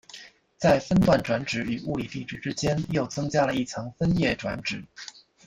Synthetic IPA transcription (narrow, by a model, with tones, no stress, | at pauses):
t͡sa˥˩ɪfə˥nt̪wa˥˩nʈ͡ʂwa˧˥nʈ͡ʂɻ̩˧˥y˨˩u˥˩li˨˩t̪i˥˧ʈ͡ʂɻ̩˥˩ʈ͡ʂɻ̩˥t͡ɕjɛ˥njo˥˩ʊt͡sʰɤ˥ŋt͡ɕja˥lə˧i˥˩t͡sʰɤ˧˥ŋfə˥njɛ˥˩ʈ͡ʂwa̰˧˥nʈ͡ʂɻ̩˨˩˦